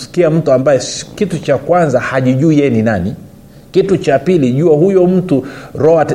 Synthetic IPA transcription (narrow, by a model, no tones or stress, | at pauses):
si̥kiam̩tuambajɛkitut͡ʃakwanzahaʄiʄuijɛninani | kitut͡ʃapiliʄuahujɔm̩tuɾɔat